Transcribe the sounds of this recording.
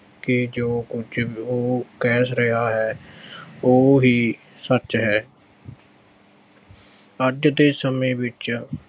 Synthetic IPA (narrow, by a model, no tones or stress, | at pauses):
kɪd͡ʒoːkʊt͡ʃʰoːkɛːsɾɪɦaːɦɛː | oːɦiː | sət͡ʃɦɛː | əd͡ʒd̪eːsəmẽːʋɪt͡ʃ